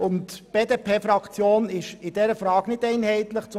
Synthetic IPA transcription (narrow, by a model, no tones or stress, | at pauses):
ʊntb̥eːdeːpʰeːfɾɑkt͡sjoːnɪʃɪd̥ɛɾəfɾɑːɡnɪdɛɪnhɛɪt̪lɪχt͡s